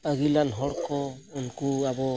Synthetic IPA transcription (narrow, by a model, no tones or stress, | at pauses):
aɡilanɦɔɽkɔɔnkuabɔ